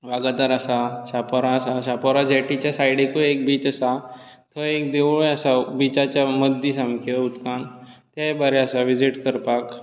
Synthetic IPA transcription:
ʋaɡd̪aɾasasapoɾaəsaɕapɔɾad͡ʑɛʈit͡ɕjasajɽekoek̚biːt͡ɕəsa | t̪ʰəek̚d̪eʋɭojəsabit͡ɕat͡ɕjaməd̪ʱːisamkʰeut̪kant̪jajbaɾeəsaʋid͡ʑiʈkəɾpak

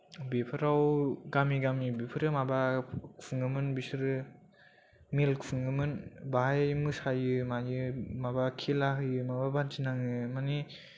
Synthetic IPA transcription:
bepʰɯɾawɡamiɡamibipʰɯɾɯmabakʰuŋɡɯmɯnbisɯɾɯ | milkʰuŋɯmɯnbaɦajmɯsajɯmajɯmabakʰilaɦɯjɯmababand͡ʒinaŋɯmani

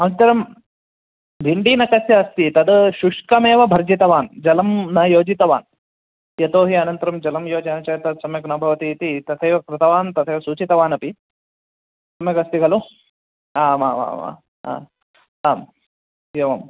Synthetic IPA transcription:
ɐnt̪ɐɾɐm | b̪ʱiɳɖiːnɐkɐsjɐɐst̪it̪ɐd̪ʃuʂkɐmeːʋɐbʱɐɾd͡ʒit̪ɐʋaːnd͡ʒɐlɐmnɐjoːd͡ʒit̪ɐʋa̰ːn | jɐt̪oːɦiɐnɐnt̪ɐɾɐmd͡ʒɐlɐmjoːd͡ʒɐnɐt͡ʃɐːt̪ɐd̪sɐmjɐknɐbʱɐʋɐt̪iːt̪it̪ɐt̪ʰɐjʋɐkɾɪt̪ɐʋaːnt̪ɐt̪ʰɐjʋɐsuːt͡ʃit̪ɐʋaːnɐpi | sɐmjɐkɐst̪iɡɐlu | aːma̰ːa̰ːma̰ | a̰ | aːm | jɐʋɐm

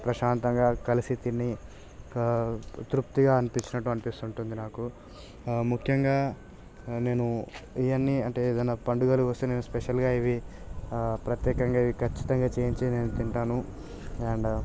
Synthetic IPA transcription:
pɾɐʃaːnt̪ɐŋɡaːkɐlisit̪inːi | t̪ɾupt̪iɡaːɐnipiɲt͡ʃːinɐʈːuɐnipist̪uɳʈund̪inaːku | mukʰjɐŋɡaː | ne̞ːnuijɐnːiɐɳʈe̞ːeːd̪ɐnːɐpɐɳɖuɡɐlukʋɐst̪eːne̞ːnuspeʃɐlɡaːiʋi | pɾɐt̪jɛːkɐŋɡaːiʋikʰɐt͡ʃːi̥t̪ɐŋɡaːt͡ʃeːiɲt͡ʃeːneːnut̪iɳʈaːnu | ɐːɳɖ

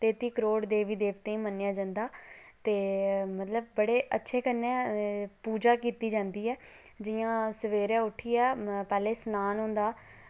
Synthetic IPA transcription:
t̪eːt̪iːkəɾoːɽd̪eːʋiːd̪eːʋt̪eːĩmənːejãːd͡ʒə̃nd̪aː | t̪eːmət̪ləbːəɽeːʔətːʃʰeːkənːẽːpuːd͡ʒaːkiːt̪iːd͡ʒãːnd̪iːɛː | d͡ʒɪjãːsəʋeːɾjãːʊʈʰːiːɛːpɛːleːsnaːnɦõːnd̪aː

